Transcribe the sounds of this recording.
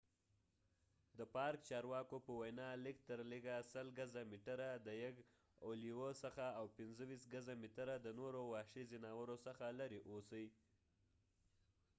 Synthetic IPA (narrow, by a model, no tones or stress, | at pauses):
d̪əpɑɾk̚t͡ʃɑɾwɑkopəwajnɑlɪk̚t̪əɾliɡasəlɡazamiʈaɾad̪əjaɡ | oliwəsəxaawpɪnzəwisɡazamiʈəɾad̪ənoɾowɑʃizinawəɾosəxalaɾiʔosai